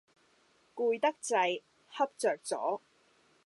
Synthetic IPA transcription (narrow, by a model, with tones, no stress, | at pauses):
kuː˧jt̪ɐ˥k̚t͡sɐ˧j | hɐ˥p̚t͡sœː˨k̚t͡sɔ̰ː˨˥